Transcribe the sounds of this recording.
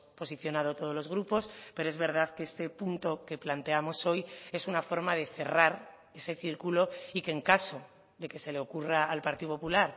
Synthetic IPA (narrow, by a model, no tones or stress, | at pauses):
po̞siθjo̞nað̞ot̪o̞ð̞o̞zlo̞zɣ̞ɾupo̞spe̞ɾoe̞zβe̞ɾð̞aðkeest̪e̞punt̪o̞ke̞plant̪e̞amo̞so̞je̞sunafo̞ɾmaðe̞θe̞raɾ | e̞se̞θiɾkulo̞ikeŋkaso̞ | ðe̞ke̞se̞le̞o̞kuraːlpaɾt̪iðopopulaɾ